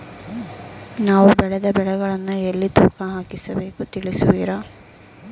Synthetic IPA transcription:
naːʋubɛɭɛd̪ɐbɛɭɛɡɐɭɐnːuelːit̪uːkɐɦaːkisɐbe̞ːkut̪iɭisuʋḭːɾa

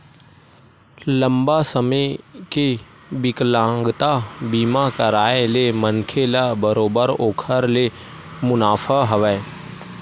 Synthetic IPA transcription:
lə̃mbasəmeke | bɪklãːŋɡt̪abiːmakəɾaːelemənkʰelabəɾoːbəɾoːkʰəɾle | mʊnaːfʰaɦɐʋɛ

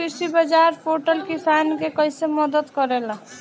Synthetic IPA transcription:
isibəd͡ʒaɾpʰoʈəlkisankekəjseməd̪əd̪kəɾel

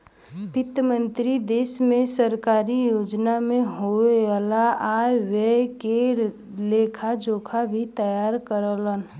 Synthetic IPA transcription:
pɪt̪əmə̃nt̪ɾid̪eːsmẽsəɾkaːɾijoːd͡ʒnamẽɦoaːlaajeweke | leːkʰad͡ʒoːkʰabʱit̪əjaːɾkəɾələn

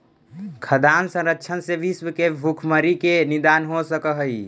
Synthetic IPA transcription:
kʰəd̪ansə̃ɾəkːt͡ʃʰənseʋisʋəkebʱukʰməɾikenid̪anɦosəkəɦəi

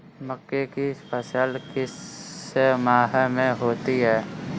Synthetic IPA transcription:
məkːekispəsaːlkɪs | maːɦəmẽɦoːt̪iɦɛː

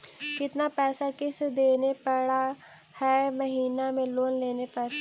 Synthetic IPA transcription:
kɪt̪naːpɛːsaːkɪsd̪eːnepəɽaː | hɛːməɦiːnaːmẽːloːnleːneːpɛːs

